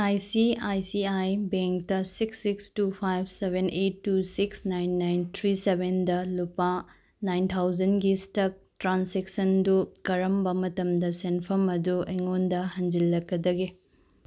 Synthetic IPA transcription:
ajsiajsiajbeŋk̚tɐsiksːikstupʰajb̚ʰʱsebʱenʔetːusiksnajnːajnt̪ʰɾisebʱendɐlupa | najnt̪ʰawd͡ʒɐnɡistɐk̚tɾanseksɐndukɐɾɐmbɐmɐtɐmdɐsenpʰɐmɐdueŋondɐhɐnd͡ʒilːɐkːɐdɐɡi

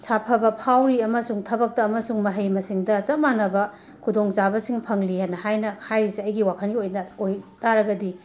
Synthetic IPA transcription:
sʰapʰɐbɐpʰawɾiɐmɐsuŋtʰɐbɐk̚tɐːmɐsuŋmɐɦɐjmɐsiŋdɐt͡ʃɐmanɐbɐ | kʰudoŋzabɐsiŋpʰɐŋlihanɐhajnɐkʰajɾisiɐjɡiwakʰɐnɡiojaojtaɾɐɡɐdi

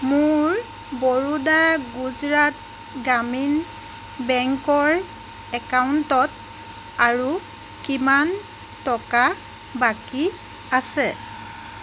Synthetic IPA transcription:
mʊɹ | bɔɹudaɡuzɹat̚ | ɡamin | bɛŋkɔɹ | ɛkawntɔt̚ | aɹu | kiman | tɔka | baki | asɛ

